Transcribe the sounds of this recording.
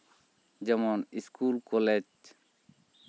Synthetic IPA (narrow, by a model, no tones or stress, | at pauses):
d͡ʒɐmoːniskuːlkoled͡ʒ